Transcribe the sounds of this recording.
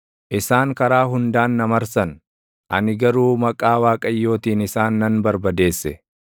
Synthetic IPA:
ʔɪsaːŋkɐɾaːɦʊnd̪aːnːɐmɐɾsɐn | ʔɐnɪɡɐɾuːmɐkʼaːwaːkʼɐjːo̞ːt̪iːnɪsaːnːɐnbɐɾbɐd̪e̞ːsːɛ

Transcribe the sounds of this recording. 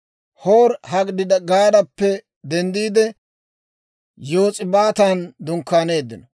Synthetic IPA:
hoːɾhɐɡd̪ɪd̪ɐɡaːd̪ɐpːɛ | d̪ɛnd̪iːd̪ɛ | jo̞ːt͡sʼɪbaːt̪and̪ʊŋkːaːne̞ːd̪ːɪ̰nɔ

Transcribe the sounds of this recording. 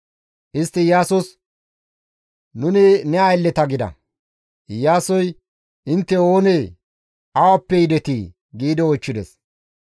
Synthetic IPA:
ʔɪst̪ːɪjaːsɔs | nʊnɪnɛɐjlːɛt̪ɐɡɪd̪ɐ̰ | jaːsɔj | ɪnt̪ːɛo̞ːneː | ɐwɐpːɛjɪd̪ɛt̪iː | ɡiːd̪ɪɔt͡ʃːɪd̪ɛ̰s

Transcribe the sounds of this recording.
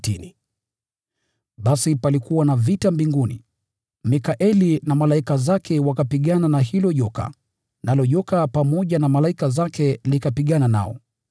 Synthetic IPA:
tini | ɓasipalikuwanavitambiŋɡunḭ | mikaʔɛlinamalaikazakʰɛwakapiɠananahilɔʄɔka̰ | nalɔʄɔkapamɔʄanamalaikazakɛlikapiɠanana̰ɔ̰

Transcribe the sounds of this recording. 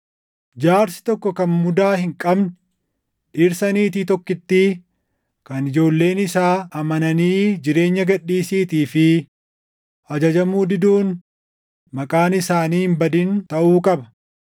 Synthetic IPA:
d͡ʒaːɾsɪ̥t̪ɔkːɔkɐnmʊd̪aːhɪŋkʼɐbn | ᶑɪɾsɐniːt̪iːt̪ɔkːɪt̪ːi | kɐnɪd͡ʒo̞ːlːe̞ːnɪsaːʔɐmɐnɐniːd͡ʒɪɾe̞ːɲːɐɡɐɗːiːsiːt̪iːfɪ | ɐd͡ʒɐd͡ʒɐmuːd̪ɪd̪uːn | mɐkʼaːnɪsaːniːhɪmbɐd̪int̪ɐʔuːkʼɐbɐ̥

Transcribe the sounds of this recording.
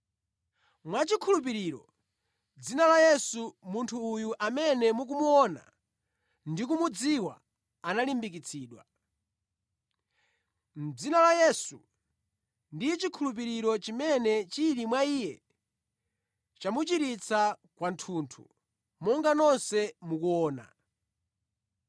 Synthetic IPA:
mwat͡ʃikʰulup̬iɾiːɾɔ̰ | d͡zinalajɛsumuntʰuːjuʔamɛnɛmuk̬umuɔna̰ | ndik̬umud͡ziwa̰ | analimbik̬it͡sʰiːɗwa̰ | m̩d͡zinalajɛsu | ndit͡ʃikʰulup̬iɾiɾɔt͡ʃimɛnɛt͡ʃiɾimwaiːjɛ | t͡ʃamut͡ʃiɾit͡sʰakwantʰuːntʰṵ | mɔŋɡanɔnsɛmukuɔːna̰

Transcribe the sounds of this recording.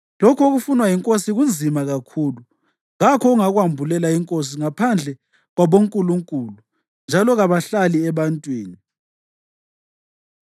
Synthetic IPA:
lokʰoɣufunwajiŋkʼosiɣund͡zʱimaɣakʰuːlu | ɣakʰɔɣuŋaɣwambʱulɛlaiŋkʼos̬iŋapʰand͡ɮʱɛ | ɣwaβoŋkʼuluŋkʼuːlu | nd͡ʒʱalɔɣaβaɬaliɛβantʼwiːni

